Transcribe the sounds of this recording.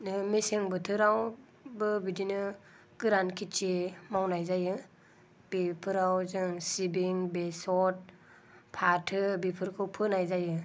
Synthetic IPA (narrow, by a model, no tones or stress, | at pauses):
nɯmeseŋbɯtʰɯɾaw | bɯbidinɯ | ɡ̥ɯɾankʰit͡ʃemawnajzajɯ | b̥ipʰɯɾawzɯŋsibiŋbesɔt̚ | pʰatʰɯbipʰɯɾkʰɯwpʰɯnajzajɯ